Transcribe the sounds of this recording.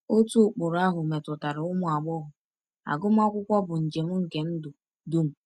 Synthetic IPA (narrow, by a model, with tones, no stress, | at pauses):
o˦tu˦ʊ˨k͡pʊ˨ɾa˦ɦʊ˨me˨tʊ˨ta˨ɾɪ˨ʊ˦mʊ˦˨a˨ɡ͡bɔ˦ɦʊ˨ | a̰˨ɡʊ˦m˦a˦kʷʊ˦kʷɔ˦bʊ˨n̩˨d͡ʒe˨m̩˦ŋ̩˨ke˨n̩˦dʊ˨ | dʊ˦m̩˨